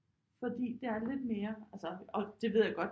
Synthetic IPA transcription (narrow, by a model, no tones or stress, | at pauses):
fɒ̽d̥ḭːd̥e̝æɐle̝d̥̚me̝ːɐælsɒɒ̽d̥e̝ʋḛjaɡ̥ɒ̽d̥